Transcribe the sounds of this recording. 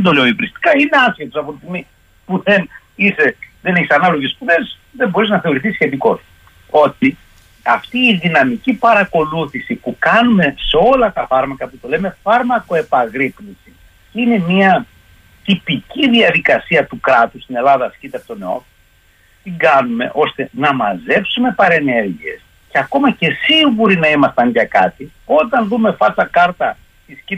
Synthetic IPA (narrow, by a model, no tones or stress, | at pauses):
ðend̪o̞leoipɾist̪i̥kɐineɐsçet̪osɐpot̪ist̪imi | puðen | iseðeneçisɐnɐlo̞ʝespuðes | ðembo̞ɾiznɐθe̞o̞ɾiθisçe̞t̪̬iko̞s | o̞t̪i | ɐft̪iːðinɐmicipɐɾɐko̞luθisipukɐnume̞seo̞lɐt̪ɐfɐɾmɐkɐput̪o̞le̞me̞fɐɾmɐko̞e̞pɐɣɾiplisi | ine̞miɐ | t̪ipiciðiɐðikɐsiɐt̪ukɾɐt̪ust̪ine̞lɐðɐːscit̪eɐpot̪one̞o̞̰ | t̪iŋɡɐnume̞̰ʔo̞st̪e̞nɐmɐze̞psume̞pɐɾe̞ne̞ɾʝie̞̰s | ceɐko̞mɐce̞siɣuɾinɐimɐst̪ɐnʝɐkɐt̪i | o̞t̪ɐnðume̞fɐsɐkɐɾt̪ɐ | t̪isci